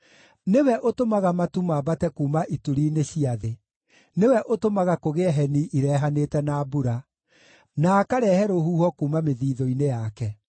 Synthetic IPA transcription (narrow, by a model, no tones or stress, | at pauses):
newɛʔotomaɣamatumaːbatɛkuːmaʔituɾiːneɕiaðe | newɛʔotomaɣakoɣeɛɦɛniʔiɾɛːɦaneːtɛnabuɾa | naːkaɾɛːhɛɾohuːhɔkuːmameðiːðɔinejakɛ